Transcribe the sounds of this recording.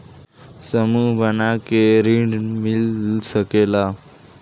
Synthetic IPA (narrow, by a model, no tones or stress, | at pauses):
səmubʱənakeɾiɳɖmilsəkela